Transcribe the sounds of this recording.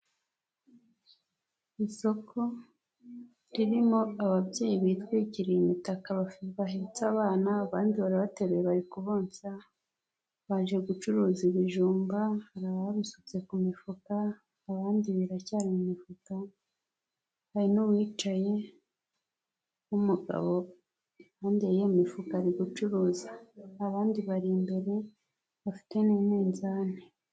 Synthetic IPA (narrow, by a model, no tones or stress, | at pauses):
iso̞kʰo̞ | ɾiɾimo̞aβabɟe̞ːjiβitɡwiciɾijimitakaβafβaɦit͡saβaːnaːβaːndiβaɾaβate̞ɾeeβaɾikuβoːnt͡sa | βaːʒe̞ɡut͡ʃuɾuːziβiʒuːmbahaɾaβaβisut͡se̞kumifukaː | βaːndiβiɾacaːɾimumifuka | haɾinuβwiːt͡ʃaje̞ | umuɡa̰βo | aːndiejemifukaːɾiɡut͡ʃuɾuːzaːβaːndiβaɾimbe̞ɾe̞ | βafi̥te̞niːmiːnzaːne